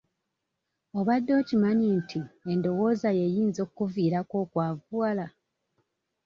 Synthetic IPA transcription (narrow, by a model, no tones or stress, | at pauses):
o̞βadːo̞ːcimaɲiːntʰiendo̞wo̞ːzaje̞jiːnzo̞ːkkuviːɾako̞ːkwaːvuala